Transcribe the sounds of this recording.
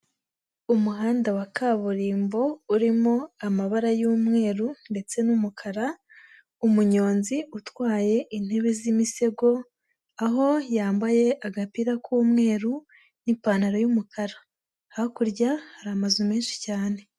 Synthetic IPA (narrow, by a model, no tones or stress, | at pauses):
umuɦaːndawakaβuɾiːmbo̞uɾimo̞amaβaɾajuːmŋe̞ːɾunde̞t͡se̞numukʰaɾa | umuɲo̞ːnziutwaːje̞ʔin̥he̞βezimise̞ɡo̞ | aɦo̞jaːmbaje̞ʔaɡapiɾakʰuːmŋe̞ːɾu | nipaːnaɾojumukʰaɾa | hkuɾɟahaɾamazumeːnʃi̥caːne̞